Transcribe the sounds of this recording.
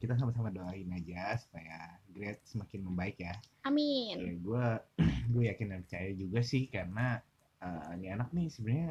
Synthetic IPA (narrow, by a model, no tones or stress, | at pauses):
kit̪as̬amasamadoaɪnad͡ʒasu̥pajaɡɾɛt̪̚səmakɪnməmbaɪkjaaminjaɡuaɡuajakɪnɡanpərt͡ʃajad͡ʒuɡasɪhkarəna | əːnianak̚nɪsəbɲa